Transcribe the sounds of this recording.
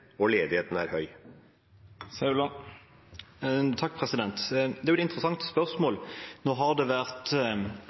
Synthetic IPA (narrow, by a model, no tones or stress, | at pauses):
oːleːd̪ɪheːt̪n̩æ̰ːɾhœʏ | sɑʉlɑ | t̪ʰɑk̚ːpʰʁɛsɪd̪ɛnt̪d̪ɛæɾʊɛt̪ɪnt̪ʁəsɑŋt̪ə̥spœʁsmoːlnoːɦɑʁd̪eːʋæʁt̪